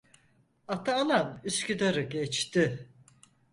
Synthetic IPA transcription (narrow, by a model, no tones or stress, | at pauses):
at̪ʰaːnanyscʲyd̪aɾɯɟɛt͡ʃt̪ɪ